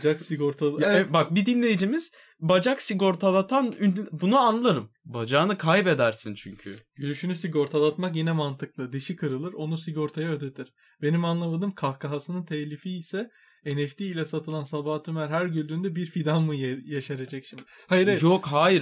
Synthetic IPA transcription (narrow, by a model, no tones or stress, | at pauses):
d͡ʒaksiɡoɾt̪ʰabak̚bid̪inlʲe̞jid͡ʒimiz̥ | bad͡ʒaksiɡo̞ɾt̪ʰad̪at̪ʰanynbunuanlˠaɾɯm | bad͡ʒaːnɯkʰajbed̪æɾsint͡ʃʰyɲcʰy̰ɟ̥ylɾyʃynysiɡo̞ɾt̪ʰad̪ˠat̪makjinɛmant̪ʰɯk̚lˠɯd̪ɯʃikʰɯɾɯlˠɯɾo̞nusiɡo̞ɾt̪ʰajaød̪et̪ʰiɾ̥ | be̞nimanlˠamad̪ɯmkʰahkʰaɦasɯnɯnt̪ʰɛclʲifiːsɛ | enɛft̪ʰiːlʲɛsat̪ʰɯlˠansabaːt̪ymæɾɦæɾɟylʲd̪ynd̪ɛbiɾfid̪anmujjaʃaɾed͡ʒɛcʃim | at͡ʃʰokɦaːjiɾ